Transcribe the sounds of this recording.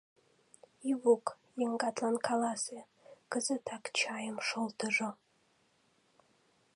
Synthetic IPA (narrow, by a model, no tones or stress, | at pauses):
iwuk | jɪŋɡatʰʼlankʰalase | kɨzɨtʰakt͡ʃʰaːjɪmʂɨlˠtʰɨʐɨ